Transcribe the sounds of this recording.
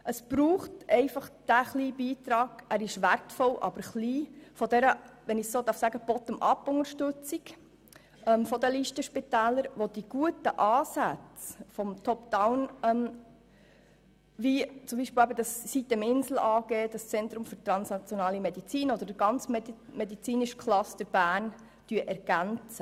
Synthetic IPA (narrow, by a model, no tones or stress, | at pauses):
ʔəsb̥ɾuːχtɛɪfɑχd̥æχliːbiːt̪ɾɑːɡ̥ʔæɾɪʃʋæɾtfɔlʔɑ̰b̥əɾχliːfɔd̪ɛɾəʋɛnɪçsoːd̪ɑɾfsæɡəb̥ɔt̪əmʔɑpːʊŋəʃtɵt͡sik | ɛmfɔd̪əliːʃtəʃpɪtæːləɾʋɔd̪̥iɡ̥uətəʔɑːsæt͡sfɔmt̪ʰɔpd̥awnɛm | ʋit͡sʊmbiːʃpɪlæbəd̥ɑsːit̪ːɛmɪnsl̩ʔɑːɡeːd̥ɑst͡sɛnt̪ɾʊmføɾt̪ɾɑnsnɑt͡sjɔnɑːlimɛd̥̪it͡siːnɔd̥̪əɾdəɡ̥ɑnt͡smmɛd̪it͡siːnɪʃkʰlɑst̪əɾb̥æːn | tyəʔɛɾɡ̥ænt͡sə